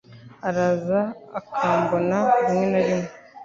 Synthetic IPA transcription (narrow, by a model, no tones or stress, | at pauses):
aɾazaːkʰaːmbonaumŋe̞naɾimŋe